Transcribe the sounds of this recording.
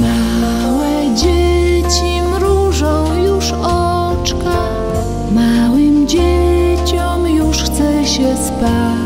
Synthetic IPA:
ma | wɛ | d͡ʑet͡ɕimɾuʐɔ̃w̃juʂ | ɔ | t͡ʂka | mawɘmd͡ʑet͡ɕɔmjuʂxt̪sɛɕɛspa

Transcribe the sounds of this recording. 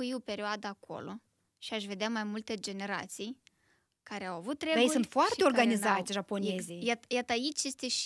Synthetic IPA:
ujiope̞ɾʲioad̪əːkʰo̞̰lo̞̰ | ʃiaʃve̞d̪eamajmult̪e̞d͡ʒe̞ne̞ɾa̰t̪sij | kaɾe̞awavut̪ːɾejejsunt̪foart̪eo̞rɡanizat̪ʲʒapo̞nezijajat̪əait͡ʃʲje̞st̪e̞ʃ

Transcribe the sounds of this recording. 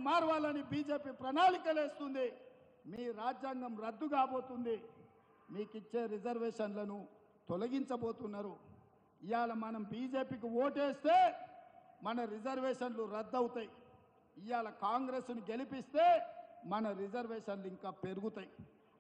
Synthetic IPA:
maːɾʋaːlɐnibiːd͡ʒe̞ːpiːpɾɐnaːlikɐle̞ːst̪und̪i | miːɾaːd͡ʒjaːŋɡɐmɾɐd̪ːuɡaːbo̞ːt̪und̪i | miːkit͡ʃːe̞ːɾid͡ʒɐɾʋeːʂɐnlɐnu | t̪ɔlɐɡiɲt͡ʃɐbo̞ːt̪unːaɾu | ijaːlɐmɐnɐmbiːd͡ʒe̞ːpiːk̬iwoːʈeːst̪e̞ː | mɐnɐɾid͡ʒɐɾʋeːʂɐnluɾɐd̪ːɐwut̪aːji | ijaːlɐkaːŋɡɾeːsnuɡe̞lipist̪e̞ːmɐnɐɾid͡ʒɐɾʋeːʂɐnluiŋkaːpe̞ɾuɡut̪aji

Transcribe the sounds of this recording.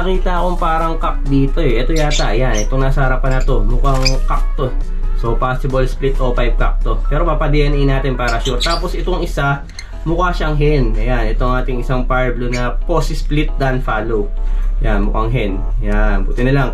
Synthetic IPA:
ɐkiːt̪ɐʔɐkoŋpaːɾɐŋkak̚d̪iːt̪o̞ɛʔɛt̪o̞jaːt̪ɐʔɐjanʔɛt̪oŋnaːsɐhɐɾɐpɐnɐt̪o̞mʊkaŋkak̚t̪o̞ | sopasɪbɐlsplit̪ʔopajb̚kak̚t̪o̞pɛːɾo̞papɐd̪ɛʔɛnɛjnaːt̪ɪnpaːɾɐʃʊt̪ːaːpo̞sɪt̪o̞ŋɪsa | mʊkaʃaŋɦɛnʔɐjanʔɛt̪oŋʔaːt̪ɪŋɪsaŋpaɹblonɐpo̞sɪsplit̪̚d̪ɐnfaːlowjanmʊkaŋɦɛn | janbʊt̪ɪnɐlaŋ

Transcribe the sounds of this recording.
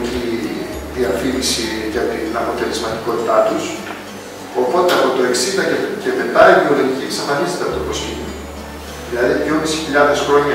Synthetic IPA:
ciðiɐfinisiʝɐt̪inɐpo̞t̪e̞lezmɐt̪iko̞t̪it̪ɐt̪us | o̞po̞t̪eɐpo̞t̪o̞e̞ksind̪ɐce̞t̪et̪ɐivio̞lo̞ʝiciksɐfɐnist̪ei̥t̪ɐt̪oposino | ðilɐðiðʝo̞misi̥çiʎɐðe̞sxɾo̞ɲɐ

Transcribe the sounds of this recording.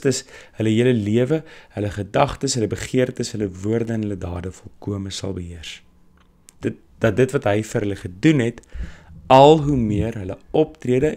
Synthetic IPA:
təshələɦiələliəvəhələχədɐχtəsɦələbəχiərtəsɦələvuərdənɦələdɑːdəfɔlˠkuəməsɐ̰lˠbəɦiərs | də | d̥ɐt̚dətvɐtɦəjfəɾɦələχədunɦɛt | ɐlˠɦumiərɦələɔp̚triədə

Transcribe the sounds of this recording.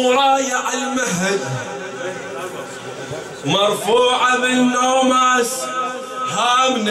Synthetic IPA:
ɾˤɑːjaʕɪlmaɦad̪ | mɑɾˤfuːʕabɪnːoːmas | haːmn

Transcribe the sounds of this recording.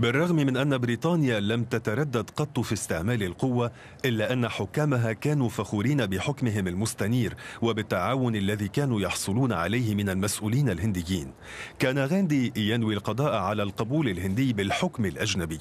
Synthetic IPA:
bɪrˤːɑɣmmɪnʔanːabɾiːt̪ˤɑːnɪjalamt̪at̪aɾˤɑd̪ːad̪qɑt̪ˤːufist̪ɪʕmaːlɪlqʊwːa | ʔɪlːaːʔanːaħʊkːaːmaɦakaːnuːfaxuːɾiːnabɪħʊkmɪɦɪmalmʊst̪aniːɾwabɪt̪ːaʕaːwʊnalːaðiːkaːnuːjɑħsˤʊluːnaʕa̰lajhɪmɪnalmasʔuːliːnalɦɪnd̪ɪjːiːn | kaːnaɣand̪iːjanwilqɑd̪ˤɑːʔʕalalqɑbuːlɪlhɪnd̪ɪjːbɪlħʊkmɪlʔaʒnabɪjː

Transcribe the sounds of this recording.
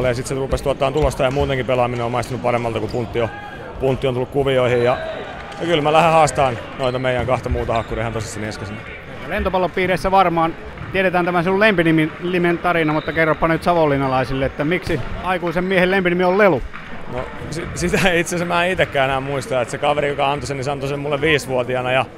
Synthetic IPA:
lːejɑsit̪serupest̪uɑt̪ːɑːnt̪ulost̪ɑjɑmuːt̪eŋkipelɑmineoːmɑist̪ɑnuppɑremːɑlt̪ɑkupunt̪ːio | punt̪ːiontulːukuʋioihijjɑ | jɑkylmælæhehɑːst̪ɑːn | noit̪ɑmeijˑæŋkɑht̪ɑmuːt̪ɑhɑkːuriehænt̪osist̪ineskæsin | eælent̪opɑlːoppiːreisːæʋɑrmɑːn | t̪ieɾet̪æːnt̪æmæsilːulempinimiliment̪ɑrinɑmut̪ːɑkerːopːɑnyt̪sɑʋolːinɑlɑisilːeet̪ːæmiksiɑikuisemmiehellempinimiollelu | no̰ | sisit̪æiit̪sesemmæːit̪ekːæːenæːmmuist̪ɑet̪sekɑʋeɾijokɑɑnt̪osenisɑnt̪osemmulːeʋʋiːsʋuot̪iɑnɑjɑ

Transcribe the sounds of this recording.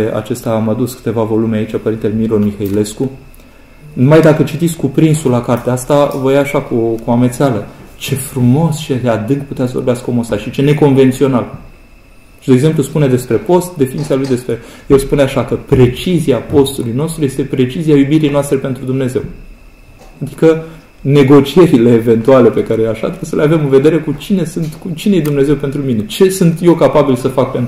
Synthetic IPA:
a̰t͡ʃe̞st̪aːmad̪uskɨ̥t̪e̞vavo̞lumeait͡ʃapəɾint̪elemiɾomixaile̞sku | numajd̪akət͡ʃit̪it̪sʲkupɾinsulakart̪east̪avojaːʃakukuamet̪sealət͡ʃe̞fɾumo̞st͡ʃeed̪ead̪ɨŋkput̪eas̬vorbeaskəomost̪aʃit͡ʃe̞ne̞ko̞nve̞nt̪sio̞nal | ʃid̪eɡze̞mpluspuned̪e̞spɾe̞po̞st̪̚d̪e̞finit̪sialujd̪e̞spɾe̞jelspuneaʃakəpɾe̞t͡ʃiziapo̞st̪ulujno̞st̪ɾuje̞st̪e̞pɾe̞t͡ʃiziajubiɾijnast̪ɾe̞pe̞nt̪ɾud̪umne̞ze̞w | ad̪i̥kə | ne̞ɡo̞t͡ʃie̞ɾile̞ːve̞nt̪uale̞pe̞kaɾe̞leaʃa̰t̪ɾebesəleave̞mɨnve̞d̪e̞ɾe̞kut͡ʃine̞sɨnt̪kut͡ʃinejed̪umne̞ze̞wpe̞nt̪ɾumine̞t͡ʃe̞sunt̪je̞wkapabilsəfak̚pe̞nt̪

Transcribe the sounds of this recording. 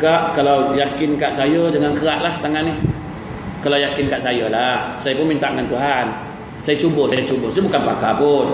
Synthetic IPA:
kaʔkalawjakɪnkaʔsajədəŋankəaʔlaht̪aŋanɪh | kalawjakɪnkaʔsajəlahsajəpʊnmint̪aʔŋant̪uɦan | sajat͡ʃubosajət͡ʃubʊhsajəbukanpakapʊn

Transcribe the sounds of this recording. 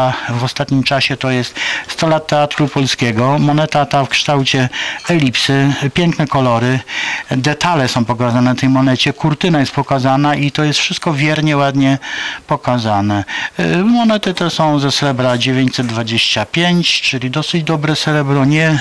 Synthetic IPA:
vɔst̪at̪ɲimt͡ʂaɕɛt̪ɔjɛst̪st̪ɔlat̪ːɛat̪ɾupɔlskʲɛɡɔmɔnɛt̪at̪afkʂt̪awt͡ɕɛɛlʲipsɘpʲjɛŋknɛkɔlɔɾɘd̪ɛt̪alɛsɔ̃w̃pɔkazanɛnt̪ɛjmɔnɛt͡ɕɛkuɾt̪ɘnajɛst̪̚pɔkazanaʔit̪ɔjɛst̪fʂɘst̪kɔvʲjɛɾɲɛwad̪ɲɛpɔkazanɛ | mɔnɛt̪ɘt̪ɛsɔ̃w̃zɛsɾɛbɾad͡ʑevʲjeɲt͡ɕʲsɛd̪̚d̪vad͡ʑeɕt͡ɕapʲjeɲt͡ɕt͡ʂɘlʲid̪ɔsɘd͡ʑd̪ɔbɾɛsɛɾɛbɾɔɲɛ

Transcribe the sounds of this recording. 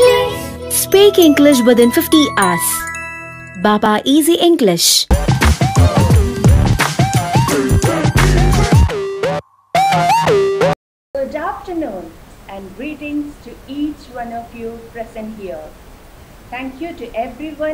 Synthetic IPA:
spiːkɪ̃ŋɡlɪʃ̬ʋɪd̪ɪ̃nfɪfʈiʔaːs | baːpaːʔiːziʔɪ̃ŋɡlɪʃ | bədafʈənũːnzæ̃nɡɹiːʈɪ̃ŋzʈuiːt͡ʃwʌ̃nɔvjupɹɛzə̃nʈhiə | t̪ʰæ̃ŋkjuʈuʔɛvɾiwʌ̃

